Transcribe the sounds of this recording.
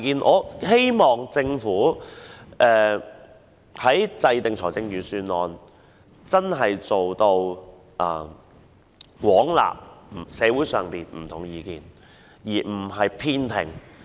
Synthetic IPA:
kiː˨˧nʔɔ̰ː˨˧he˥jmɔː˨˩ŋt͡sɪ˧ŋfuː˨˥ | ʔɛː˨˧ | hɐ˨˥jt͡sɐ˧jt̪ɪ˨ŋt͡sʰɔː˨˩t͡sɪ˧ŋjyː˨˧syː˧nlɔː˨n | t͡sɐ˥nɦɐ˨jt͡so˨wt̪o˧w | ʔɐː˧˩ | kʷwɔː˨˥ŋla̰ː˨p̚sɛː˨˧wuː˨˥jsœː˨ŋpiː˨nm̩˨˩t̪ʰʊ˨˩ŋjiː˨˧kiː˨n | jiː˨˩m̩˨˩ɦɐ˨jpʰiː˧nt̪ʰɪ̰˨˩ŋ

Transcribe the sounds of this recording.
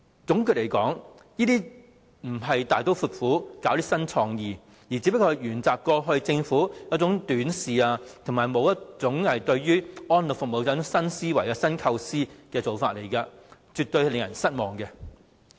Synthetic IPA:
t͡sʊ˨˥ŋky˧t̚le˨˩jkɔː˨˥ŋ | jiː˥t̪iː˥ | m̩˨˩ɦɐ˨jt̪aː˨jt̪o˥wfuː˧t̚fuː˨˥kaː˨˥wt̪iː˥sɐ˥nt͡sʰɔː˧ŋjiː˨ | ji˨˩t͡siː˨˥pɐ˥kɔː˧˨˩jɥyː˨˩nt͡saː˨p̚kɔː˧ɦɵ˧ɥt͡sɪ˧ŋfuː˨˥jɐ˨˥t͡sʊ˨˥ŋt̪yː˨˥nsiː˨aː˧t̪ʰʊ˨˩ŋmaː˨˩jmo˨˧wjɐ˥tt͡sʊ˨˥ŋhɐ˨jt̪ɵ˧ɥɥyː˥ɔː˥nlʊ˨˩fʊ˨k̚mo˨˧wt͡sɐː˨˥ʊ˥ŋsɐ˥nsiː˥wɐ˨˩jɐː˧sɐ˥nkʰɐ˧wsiː˥kɛː˧t͡so˨wfaː˧t̚le˨˩jkɐ˧t͡syː˨t̚t̪ɵ˧ɥhlɪ˨˧ŋjɐ̰˨˩nsɐ˥t̚mɔː˨˩ŋkɛ˧

